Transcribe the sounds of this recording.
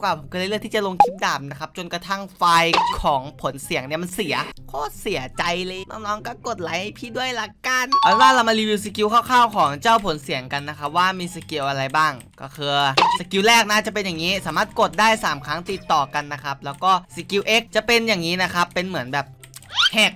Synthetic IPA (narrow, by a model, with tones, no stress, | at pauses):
kwaː˨˩pʰo˨˩˦kɔ˥˩˧jl̚t̪ʰiː˥˩t͡ɕa˨˩lo˧ŋk̪ʰi˦˥p̚daː˨˩p̚na˦˥kʰa˦˥p̚t͡ɕo˧nka˧t̪ʰa˥˩ŋfaː˧jkʰɔː˩˦ŋpʰo˩˦nsi˨˩˦ŋni˥˩ɐma˧nsi˨˩˦ɐkʰɔː˥˩si˨˩˦ɐt͡ɕa˧jlɤː˧jnɔ̰ː˥˩ŋnɔː˦˧˥ŋkɔː˥˩ko˨˩t̪̚la˨˦jʔa˧˩jpʰiː˥˩du˥˩əjla˦˥ka˧nɔ˧˥waː˥˩la˧wma˧liː˧wi˧wsiː˧ki˧wkʰaː˥˩wkʰaː˥˩wkʰɔː˩˦ŋt͡ɕa˥˩wpʰo˨˩˦nsi˩˦əŋka˧nː˦˥kʰa˦˥p̚waː˥˩miː˧si˧ki˧wʔa˧ɾa˧jbaː˥˩ŋkɔ̰ː˥˩kʰɯː˧sa˧ki˧wlɛː˥˩k̚naː˥˩t͡ɕa˨˩pe˧nja˨˩ŋːiː˦˥saː˩˦maː˥˩t̪̚ko˨˩t̪̚daː˥˩jsaː˩˦mkʰaː˦˥ŋt̪i˨˩t̪ːɔː˨˩ka˧nːa˦˥kʰa˦˥p̚lɛː˦˥wkɔː˥˩siː˧ki˧wʔe˦˥k̚t͡ɕa˨˩pe˧njaː˨˩ŋːiː˦˥na˦˥kʰa˦˥pːe˧nmɯ˨˩˦nbɛː˨˩p̚hɛ˨˩k̚